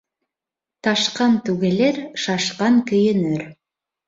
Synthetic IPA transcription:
t̪ɑʃqɑnt̪ʉɡeleɾʃɑʃqɑŋkɵ̆jɘ̆nøɾ

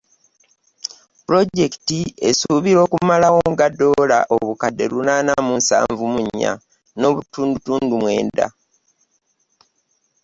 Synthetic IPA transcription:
puɾo̞ɟe̞ktie̞suːβiɾo̞ːkumalawo̞ŋɡadːo̞ːla̰ʔo̞βukadːe̞ɾunaːnamunsa̰ːɱvumuɲːa̰ | no̞ːβutuːndutuːndumwe̞̰ːnda̰

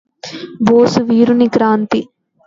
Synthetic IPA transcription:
boːsuʋiːɾunikɾaːnt̪i

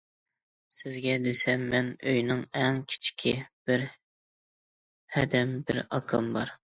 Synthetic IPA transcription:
sɪzɡʲɛd̪esɛmːɛnøjnɪŋɛŋkʲʰi̥t͡ʃʰi̥kʲʰib̥ɪɾ | hɛd̪ɛmbɪɾɑ̰kʰɨmbɑ̰ɾ

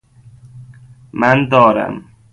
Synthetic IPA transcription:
mænd̪ɒːɾæ̰m

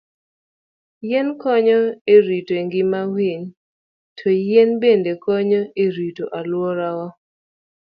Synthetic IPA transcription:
jɛnkɔɲɔeɾitoeŋɡɪmawiɲ | tʰɔjɛnbendekɔɲɔeɾitoʔalwɔɾawɔ

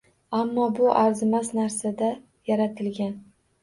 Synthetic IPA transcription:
amːɒbʊʔaɾzɪmasnaɾsad̪a | jaɾat̪ʰɪlɡʲan

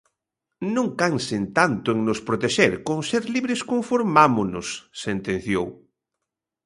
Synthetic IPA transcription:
nõŋkansent̪ant̪ʊeŋnʊspɾot̪eʃeɾkõŋseɾliβɾɪskoɱfoɾmamʊnʊsːent̪ẽn̟θjow

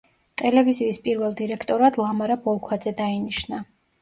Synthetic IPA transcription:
t̪ʼɛlɛviziːspʼiɾvɛlˠd̪iɾɛkʰt̪ʼɔɾad̪lˠamaɾabɔlˠkʰwad̪zɛd̪ainiʃna

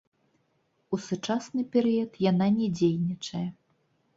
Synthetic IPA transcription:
usut͡ʂasnɨpʲɛɾɨjɐt̪jananʲɛd͡zʲejnʲit͡ʂɐjɛ

